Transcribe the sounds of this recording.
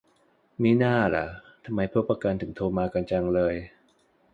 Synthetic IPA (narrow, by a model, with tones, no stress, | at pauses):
miː˦˥˩naː˥˩la̰˩˦ʔt̪ʰa˧mːa˧jpʰu˥˩pa˧ka˧nt̪ʰɯ˨˩˦ŋt̪ʰoː˧maː˧ka˧nt͡ɕa˧ŋlɤː˧j